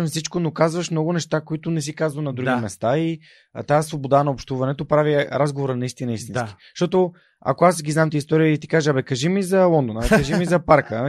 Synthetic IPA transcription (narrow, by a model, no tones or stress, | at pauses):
mfsit͡ʃkonokazvəʃmnɔɡʊnɛʃt̪akoit̪ʊnɛs̬ikazvənɐd̪ɾuɡimɛst̪ai | t̪aasvobod̪anɐopʃt̪uvɐnɛt̪opɾaviɾazɡovoɾənɐist̪inəist̪inki̥ | ʃt̪ɔt̪o | a̰koasɡʲiznamt̪əist̪ɔɾiəit̪ikaʒabɛkɐʒimizɐlˠɔnd̪onabɛkəʒimizɐpaɾkə